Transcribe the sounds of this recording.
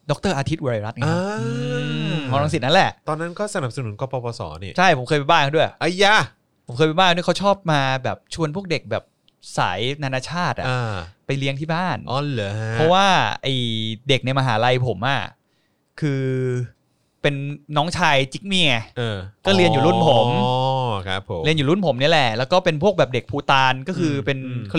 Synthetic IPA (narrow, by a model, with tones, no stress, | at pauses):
dɔ˦˥k̚t̪ɤː˥˩ʔaː˧t̪ʰi˦˥t̪̚ʔɾa˧ɾa˦˥t̪̚ŋaaː˦˧ɯ˧mɔː˨˧˥ɾa˧ŋsi˨˩na˦˥lɛ˨˩ʔt̪ɔː˧nːa˦˥nkɔː˥˩sa˧na˨˩p̚sa˧nu˩˦nkɔː˧pɔː˧pɔː˧sɔ̰ː˩˦ni˦˧˩t͡ɕʰa˥˩jpʰo˩˦mkʰɤː˧jpa˧baː˥˩kʰa˥du˥˩əjʔa˧˩jːa˧˩ | pʰo˩˦mkʰɤː˧jpa˧jbaː˥˩kːdu˥˩˨kʰa˥t͡ɕʰɔː˥˩p̚maː˧bɛː˨˩p̚t͡ɕʰu˧ənpʰu˥˩k̚de˨˩k̚bɛː˨˩p̚ | sa̰ː˩˦jnaː˧naː˧t͡ɕʰaː˥˩t̪̚ʔa̰˨˩aː˧˩pa˧jli˦˥əŋt̪ʰiː˥˩baː˥˩nɔ˧˥˩lɯ˨˦ɦa˦pʰɔ˦˥waː˥˩ʔa˨˩jde˨˩k̚ni˧jmaː˧ɦa̰ː˩˦ɾa˧jpʰo˨˩˦mʔa̰˨˩ | kʰɯː˧ | pe˧nːɔː˦˥ŋt͡ɕʰaː˧jt͡ɕi˦˥k̚miː˦˥˩ŋa˧˩ʔɤː˧˩kɔː˥˩li˧əjuː˨lu˥˩˨npʰo˨˦mʰ | a̰˦pʰːo˩˦li˧njuː˨˩lu˥˩npʰo˩˦mni˦˥ɐ˨lɛ˨˩lɛː˦˥wkɔː˥˩pe˧npʰu˥˩ək̚bɛː˨˩p̚de˨˩k̚pʰuː˧t̪aː˧nkɔː˥˩kʰɯː˧pe˧nkʰ